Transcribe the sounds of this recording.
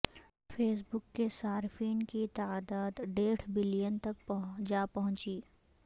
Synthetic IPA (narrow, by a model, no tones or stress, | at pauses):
fʰeːs̬bʊkːesaːɾfiːnkit̪aːd̪aːd̪ɖeːɽbɪlɪjənt̪ɐk̚pɦd͡ʒaːpɐɦʊ̃t͡ʃiː